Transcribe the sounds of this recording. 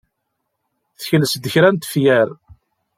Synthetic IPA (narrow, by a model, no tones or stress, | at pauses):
θə̥çləsd̪əçɾænt̪ə̥fjæɾ